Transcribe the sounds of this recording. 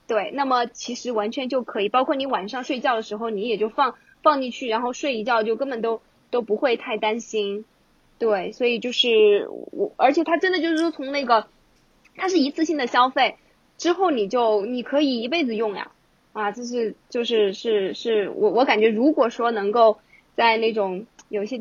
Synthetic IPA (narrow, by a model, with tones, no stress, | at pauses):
t̪we˥˩ɪna˥˩mə˩t͡ɕʰi˧˥ʂɻ̩˧˥wa˧˥nt͡ɕʰɥɛ˧˥nt͡ɕjo˥˩ʊkʰɤ˧˥i˨˩pɑ˥ʊkʰwɔ˥˩ni˧˥wa˨˩nʂɑ˥˧ŋʂwe˥˧ɪt͡ɕjɑ˥˩ʊd̪ə˩ʂɻ̩˧˥xo˥˧ʊni˧˥jɛ˨˩t͡ɕjo˥˧ʊfɑ˥˧ŋ | fɑ˥˧ŋni˥˧t͡ɕʰy˥˩ɻa˧˥nxo˥˧ʊʂwe˥˧ɪi˧˥t͡ɕjɑ˥˧ʊt͡ɕjo˥˧ʊkə˥nbə˨˩nt̪o˥ʊ | t̪o˥ʊpu˧˥xwe˥˧ɪt̪ʰa˥˩ɪt̪a˥nɕi˥n | t̪we˥˩ɪswɔ˧˥i˨˩t͡ɕjo˥˧ʊʂɻ̩˥˩wɔ̰˨˧˩ə˞˧˥t͡ɕʰjɛ˨˩t̪ʰa˥ʈ͡ʂə˥nd̪ə˨t͡ɕjo˥˧ʊʂɻ̩˥˩ʂwɔ˥t͡sʰʊ˧˥ŋna˥˩ɡə˩ | t̪ʰa˥ʂ̬ɻ̩˥˩i˧˥t͡sʰɹ̩˥˧ɕi˥˩nd̪ə˨˩ɕjɑ˥ʊfe˥˩ɪ | ʈ͡ʂɻ̩˥xo˥˩ʊni˨˩t͡ɕjo˥˩ʊni˨˩kʰɤ˧˥i˨˩i˧˥pe˥˩ɪd͡zɹ̩˧jʊ˥˩ŋja̰˩ | ɐ˧ʈ͡ʂɤ˥˧ʂ̬ɻ̩˥˧t͡ɕjo˥˧ʊʂɻ̩˥˧ʂɻ̩˥˧ʂɻ̩˥˩wʔɔ̰˧˥wɔ˧˥ka˨˩nt͡ɕɥɛ˧˥ɻu˧˥kwɔ˨˩ʂwɔ˥nɤ˧˥ŋko˥˧ʊ | t͡sa˥˧ɪne˥˩ɪʈ͡ʂʊ˨˩˦ŋjo˨˩ʊi˥˩ɕjɛ˥